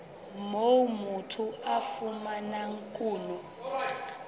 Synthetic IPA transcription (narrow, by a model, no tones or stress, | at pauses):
momutʰuafumanaŋkʼuːnu